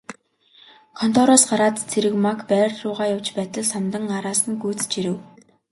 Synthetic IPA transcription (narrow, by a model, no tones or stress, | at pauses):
kʰɔn̥t̪ʰɔɾɔsɢaɾaːt̪t͡sʰeɾɘ̆kmakpæːrɮʊːʁaːjawt͡ɕpæːt̪ə̆ɮsamt̪ə̆ŋɢaɾaːsə̆nɡuːt͡st͡ɕiɾɘ̆w